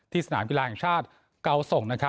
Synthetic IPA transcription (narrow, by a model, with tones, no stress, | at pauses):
t̪ʰiː˥˩sa˧naː˩˦mki˧laː˧ɦɛ˨˩ŋt͡ɕʰaː˥˩t̪̚ | ka˦˥wso˨˩ŋna˦˥kʰa˦˥